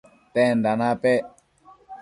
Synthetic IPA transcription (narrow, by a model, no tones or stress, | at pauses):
tɛndanapɛ